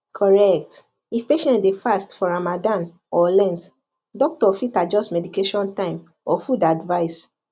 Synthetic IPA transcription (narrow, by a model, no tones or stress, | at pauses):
kʰɔɹɛk̚t | ifpeʃɛ̃ntdefastfɔɹamadãn | ɔlɛ̃nt | dɔk̚tɔfitad͡ʒɔstmɛdikeʃɔ̃ntãɪ̃m | ɔfudadvaɪs